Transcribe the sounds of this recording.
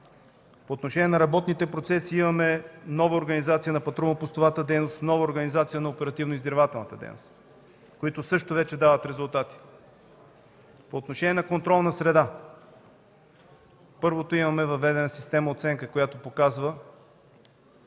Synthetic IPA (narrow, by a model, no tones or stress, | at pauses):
poːt̪noʃɛnʲiɛnɐɾɐbɔt̪nit̪ɛpɾot̪sɛsiimɐmɛnɔvəoɾɡɐnizat̪siənɐpɐt̪ɾɔmɐpost̪ovat̪əd̪ɛjnost̪nɔvəoɾɡɐnizat̪sijənɐopɛɾɐt̪ivnoizɡ̪ɾvat̪ɛlˠnə̰t̪əd̪ɛ̰jno̰st̪ | koit̪osɤʃt̪ovɛt͡ʃɛd̪avət̪ɾɛzʊlˠt̪at̪i̥ | poːt̪noʃɛnʲiɛnɐkont̪ɾɔlˠnɐsɾɛd̪a | pɤɾvot̪oimɐmɛvɐvɛd̪ɛnɐsi̥st̪ɛmɐot̪sɛŋkəkojat̪opokazvə